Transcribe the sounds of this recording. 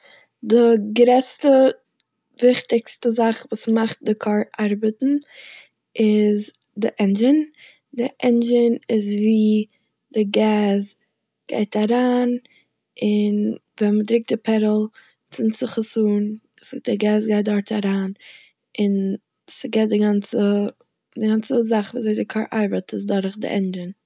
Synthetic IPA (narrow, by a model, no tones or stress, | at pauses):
dɪɡɾɛt͡stə | vɪχtɪkstəzaχvuːsmaχt̚dɪkʰɔɾʔaɾbətn̩ | ɪz | dɪʔɛnd͡ʒɪn | dɪʔɛnd͡ʒɪnɪzviː | dɪɡɛːz | ɡ̥a̰ɪtaɾaːn | ɪn | vɛnmədɾɪk̚dɪpʰɛɾəl̩ˠ | t͡sɪnt͡sɪχəsuːn | sdɪɡɛːzɡaɪt̚dɔɾtʰaɾaːn | ɪn | sɪɡɛt̚dɪɡant͡sə | dɪɡant͡səzaχviːzeɪdɪkʰɔɾʔa̰ɾbətɪzdɔɾχdɪ̰ʔɛ̰nd͡ʒən